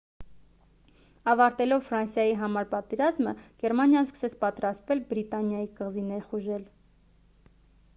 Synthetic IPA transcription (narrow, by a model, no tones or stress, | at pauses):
ɑvɑɾt̪ɛlɔvfɾɑnsjɑjiɦɑmɑɾpɑt̪ɛɾɑzməɡ̥ɛɾmɑnjɑnskə̥sɛt͡sʰpɑt̪ɾɑst̪vɛlbɾit̪ɑnjɑjikəʁzinɛɾχuʒɛl